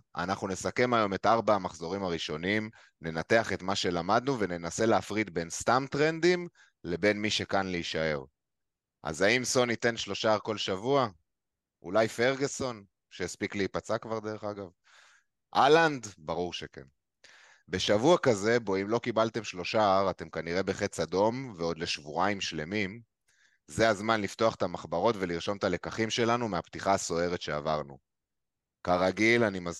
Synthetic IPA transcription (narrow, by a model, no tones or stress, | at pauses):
a̰naχnune̞sake̞majo̞me̞t̪ʔaʁbaːmaχzo̞ʁimaʁiʃo̞nim | ne̞nat̪e̞aχe̞t̪maʃe̞lamad̪nuve̞ne̞nase̞leːfʁid̪̚be̞nst̪amt̪ʁe̞nd̪im | le̞be̞nmiʃe̞kanleiʃae̞ʁ | ʔa̰zaimso̞nit̪e̞nʃlo̞ʃaːʁko̞lʃavua | ʔṵlajfe̞ʁɡeso̞n | ʃejaspikleipat͡sakvaʁd̪e̞ʁ̞e̞χaɡav | ʔaland̪baʁuʁʃeke̞̰n | be̞ʃavuakaze̞bo̞imlo̞kibalt̪e̞mʃlo̞ʃaaʁat̪e̞mkaniʁe̞be̞χe̞t͡sado̞mveo̞d̪le̞ʃvuaimʃle̞mim | ze̞azmanlift̪o̞aχet̪amaχbaʁo̞t̪ve̞liʁʃo̞mt̪ale̞kaχimʃe̞lanumeapt̪iχaːso̞e̞ʁe̞tʃe̞a̰vaʁnu | kaʁaɡilanimaz